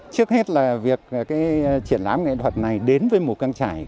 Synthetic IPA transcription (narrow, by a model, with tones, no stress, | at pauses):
t͡ɕɨ˦˥ək̚he˦˥t̚laː˨˩vi˨˩ək̚ːkaː˨˦jt͡ɕḭ˧˩ənlaː˨˦mŋɛ̰˧˨t̪ʰwə˨˩t̚na˨˩jɗe˨˦nvəː˨˦jmo˨˩t̚kaː˧ŋt͡ɕaː˧˩˨j